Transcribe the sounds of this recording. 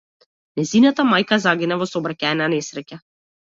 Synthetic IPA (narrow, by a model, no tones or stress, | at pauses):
nɛzinat̪amajkazaɡʲinavɔsɔbɾacaɛnanɛsɾɛca